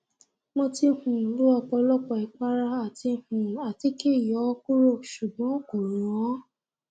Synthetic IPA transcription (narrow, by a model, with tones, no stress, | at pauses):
mɔ̃˧ti˧hũ˨lu˦ɔ˧k͡pɔ˧lɔ˦k͡pɔ˧i˨˧k͡pa˦ɾa˧a˦˨ti˧hũ˨a˨ti˨˦ke˦˨jɔ˨˦ku˦ɾo˦˨ʃu˨ɡ͡bɔ̃˨˦ko˨ɾũ˨ɔ̃˨˦